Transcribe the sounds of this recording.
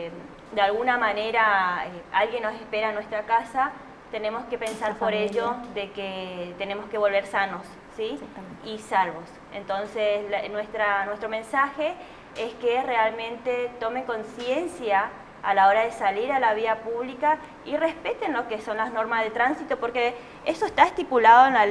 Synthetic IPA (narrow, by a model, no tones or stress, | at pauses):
d̪ealɣunamaneɾaealɣjenːosespeɾaːnwe̞st̪ɾakasa | t̪e̞ne̞mo̞ske̞pe̞nsaɾpoɾeʎoðeket̪ene̞moskeβo̞lβe̞ɾsano̞sːiisalβo̞s | ent̪o̞nseslnwest̪ɾanwe̞st̪ɾo̞mẽ̞nsaxe | eskerealmẽ̞nt̪et̪o̞meŋko̞nsje̞nsjaː | laoɾaðesaliɾalaβ̞iapuβlika | irespet̪enlokeso̞nlazno̞ɾmazðet̪ɾansit̪opo̞ɾke | esoest̪aest̪ipulaðoenla